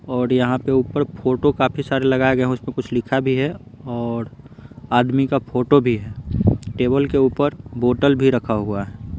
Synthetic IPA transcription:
ɔːɾjɐɦãpeuːpəɾpʰoːʈokaːpʰisaːɾelɐɡaːeɡɐɦẽʊsmẽkʊt͡ʃʰlɪkʰabʱiɦɛɔːɾaːd̪mikapʰoːʈobʱiɦɛːʈeːbəlkeuːpəɾboːʈəlbʱiɾɐkʰaɦuaɦɛː

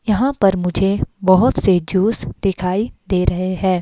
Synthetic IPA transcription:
jɐɦãpɐɾmʊd͡ʒʱebɐɦʊt̪sed͡ʒuːsd̪ɪkʰaːid̪eːɾʔɐɦeɦɛ̃ː

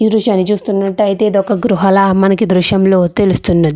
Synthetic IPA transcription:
id̪ɾuʃaːnit͡ʃuːst̪unːɐʈːɐɐjt̪e̞ːd̪ɔkɐɡɾuɦɐlɐmɐnɐkid̪ɾuʃjɐmlo̞ːt̪e̞lust̪unːɐd̪i

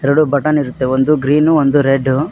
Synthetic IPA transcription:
ɛɾɐɽubɐʈɐniɾut̪ːe̞ond̪uɡɾiːnuond̪uɾeɖːu

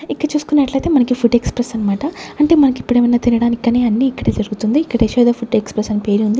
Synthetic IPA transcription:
ikːɐɽɐt͡ʃuːsu̥kunːɐʈlɐjt̪e̞ːmɐnɐkipʰuɖekspɾesɐnːɐmaːʈɐɐɳʈe̞ːmɐnɐkipːuɽeːʋɐnaːt̪inɐɽaːnikːɐneːɐnːiːkːɐɽeːd͡ʒɐɾuɡut̪und̪iːkːɐɽeːʃoːd̪aːpʰuɖekspɾesɐnpe̞ːɾiund̪i

